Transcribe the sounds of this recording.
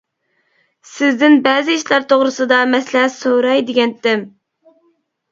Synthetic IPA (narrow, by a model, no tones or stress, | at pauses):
sɪzd̪ɪnbɛːzɪiʃlɑɾt̪ʰoʁɾɨsɨd̪ɑmɛslɛsoɾɑjd̪ɪɡʲɛnt̪ɪm